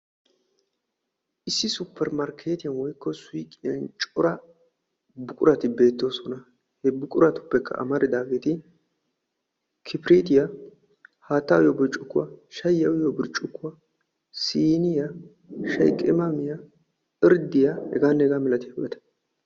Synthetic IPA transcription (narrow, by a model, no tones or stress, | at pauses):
ʔɪsːɪsʊpʰːɛɾmɐɾkʰeːt̪ɪjɐnwɔjkːɔsʊjkʼːɪjɐnt͡ʃʼɔɾɐ | bʊkʼʊɾɐt̪ɪbe̞ːt̪ːo̞ːsɔnɐ | hɛbʊkʼʊɾɐt̪ʊ̥pːɛkːɐ̰ʔɐ̰mɐɾɪd̪aːɡe̞ːt̪ɪ | kʰɪpɪɾiːt̪ɪja | haːt̪ːajɔbɪɾt͡ʃʼʊkːʊwɐ̰ʃɐjːɐwɪjɔbɪɾt͡ʃʼːʊkːʊwɐ | siːnɪja | ʃɐjkʼːɪmɐmɪja | ɪɾd̪ɪjahɛ̰ɡaːnːɛɡaːmɛlɐt̪ɪjɐ̰ʔɛ̰t̪ɐ̥